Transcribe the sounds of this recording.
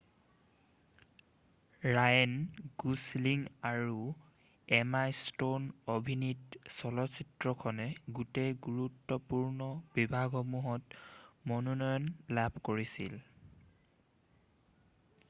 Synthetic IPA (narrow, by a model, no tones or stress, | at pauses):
ɹajɔnɡusliŋaɹu | ɛmajstonobʱinitsɔlɔsitɹɔkʰɔnɛɡutejɡuɹutːɔpuɹnɔb̥ibʱaɡɔmuɦɔtmɔnɔnɔjɔnlabʱkoɹisḭl